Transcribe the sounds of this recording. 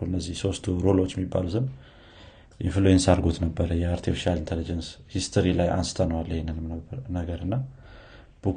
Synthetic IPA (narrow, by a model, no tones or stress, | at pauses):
uɨnːəzːihso̞st̪ʰuɾo̞lo̞t͡ʃːjɛmibːa̰lut̪ɨn | ʔɪnfɨlojɛnsaɾɡot̪nəbːəɾəjɛaɾt̪ʰifiʃalint̪ʰelid͡ʒənshist̪ʰəɾilajʔa̰nsɨ̥t̪ʰənəwalːhenɨnɨmnəɡəɾɨnːa | b̥ək